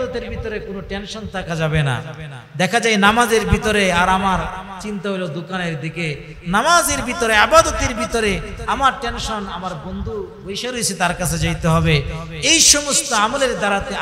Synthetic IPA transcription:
d̪ɔt̪eɾbʱit̪oɾekonoʈenʃɔnt̪ʰakʰad͡ʑabena̰ | d̪ɛkʰad͡ʑajnamazeɾbʱit̪oɾeaɾamaɾt͡ɕint̪aɦojlod̪okaneɾd̪ike | namazeɾbit̪oɾeabad̪ɔt̪eɾbit̪oɾeamaɾʈenʃɔnamaɾbond̪ʱubojʃaɾojt͡ɕʰit̪aɾkat͡ɕʰed͡ʑajt̪eɦɔbe | ejʃɔmost̪oamoleɾd̪aɾat̪e

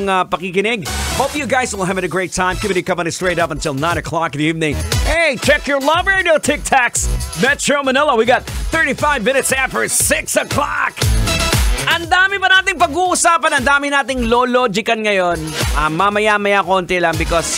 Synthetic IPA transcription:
ŋapɐkikɪnɪɡ̚hopjuɡajswɪlˠɐvɨɾəɡɹeɪt̪ʰãɪmkipɨnɨkɐ̃mɪ̃nɨtst̪ɹeɪɾʌpɐnt̪ɪlˠnãɪ̃nɐkʰlɑk̪ðiivnɪ̃ŋeɪt͡ʃɛkjɔ˞lɐbəɹnotʰɪk̚tʰaksmɛtɹomɐnɪlˠɐwiɡɑt̪̚θɜ˞ɾifaɪvmɪ̃nɨt̪sæfə˞sɪksəklɑ̰k | ʔɐnd̪aːmɪbɐnaːt̪ɪŋpɐɡuːʔusaːpɐnɐ̃nd̪aːmɪnaːt̪ɪŋloloːd͡ʒɪkɐnŋɐjonʔamːamɐjamɐjakont̪ɛlɐŋbɪkɔs

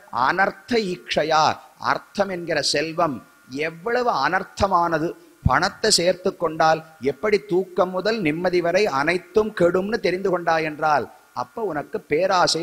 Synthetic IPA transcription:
ʔɐ̰nɐɾt̪ʰːɐiːkʂɐjaːɐ̰ɾt̪ʰɐmɛnɡɪɾɐsɛlʋɐm | ɛʋːɐɭɐʋɯɐnɐɾt̪ʰːɐmaːnɐðɯ | pɐɳɐt̪ːɐseːɾt̪ɯkːɔɳɖaːlɛpːɐɽit̪ːuːkːɐmːʊðɐlnɪmːɐðɪʋɐɾɐɪɐnɐɪt̪ːɯmkeɽɯmnɯt̪ɛɾɪnd̪ɯkɔɳɖaːjɛndraːl | ʔɐpːoːʊnɐkːɯpːeːɾaːsɐɪ

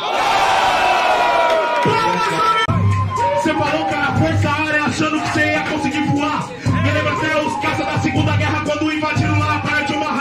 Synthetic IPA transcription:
sepaɾowkaɾɐfojt̪aɾẽaʃɐ̃nd̪ʊkɪ̥seiɐkõsɪɡiɾvula | melẽbɾɐ̃seoskasɐd̪ɐsɪɡũnd̪ɐɡɛɦɐkwɐ̃nd̪ʊĩvad͡ʒinʊlapaɾɐt͡ʃiũmaɦ

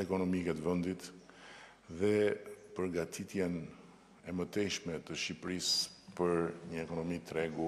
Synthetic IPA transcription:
ɛkɔnɔmikɛt̪vɛnd̪it̪ | ðɛpəɾɡat̪ʰit̪jɛn | ɛmət̪ɛʃmɛt̪əʃipɾispəɾɲəɛkɔnɔmit̪ɾɛɡu

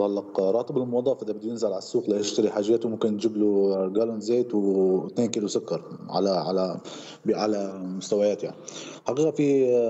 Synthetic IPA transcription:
ɑlːɑqɾˤɑːt̪ˤɨbɪlmʊwɑd̪ˤɑːfʔɪd̪abɪd̪ːʊjɪnzalʕalasːuːxlajɪʃt̪aɾiħaːʒjaːt̪ʊmʊmkɪnd͡ʒɪbluɡalʊnzeːt̪wt̪neːnkɪlusʊkːɑɾˤʕa̰laʕala | bʕalamʊst̪awajaːt̪ja̰ʕniħaqiːqafi

